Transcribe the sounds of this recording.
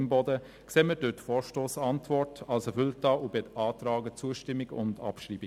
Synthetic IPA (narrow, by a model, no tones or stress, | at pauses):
mbɔdə | kseːmədøtfɔːɾʃtoːsɑntvɔɹtɑlsɛfʏltɑːʔubɪtɑːtɾɑːɡət͡suəʃtɪmːɪɡʊ̰ndɑ̰pʃriːbɪ